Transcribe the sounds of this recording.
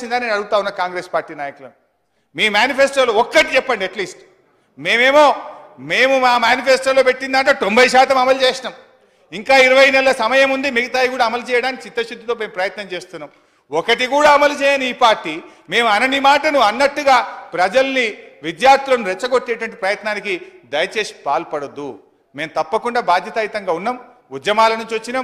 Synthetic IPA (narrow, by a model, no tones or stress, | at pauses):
ind̪aːneːnɐɽuɡut̪aːunːɐkaːŋɡɾe̞ːspaːɾʈːiːnaːjɐkulɐnu | miːmjaːnipʰeːsʈoːloːɔkːɐʈit͡ʃɛpːɐɳɖiɐʈliːsʈ | me̞ːmeːmo̞ːme̞ːmumaːmjaːnipʰeːsʈoːlo̞ːpe̞ʈːind̪ɐɳʈoːt̪o̞mbɐjʃaːt̪ɐmɐmɐlt͡ʃeːʃinaːm | iŋkaːiɾɐʋɐjnɛlɐsɐmɐjɐmund̪imiɡɐt̪aːjk̬uːɽaːɐmɐlut͡ʃɛːjɐɽaːnikit͡ʃit̪ːɐt͡ʃud̪ːut̪oːme̞ːmpɾɐjɐt̪nɐmt͡ʃeːst̪unːaːm | ɔkɐʈikuːɽaːɐmɐlut͡ʃɛːjaːniːpaːɾʈːiː | me̞ːmɐnɐnːimaːʈɐnuɐnːɐʈːuɡaːpɾɐd͡ʒɐlɐniʋid̪jaːɾt̪ulɐnuɾɛt͡ʃːɐɡoʈːɛːʈʋɐɳʈ̬ipɾɐjɐt̪naːnikid̪ɐjɐt͡ʃe̞ːʃi̥paːlpɐɽɐd̪ːu | me̞ːmt̪ɐpːɐkuɳɖaːbaːd̪ʱjɐt̪ɐjit̪ɐŋɡaːunːaːm | ud̪jɐmaːlɐnuɲt͡ʃiʋɐt͡ʃːina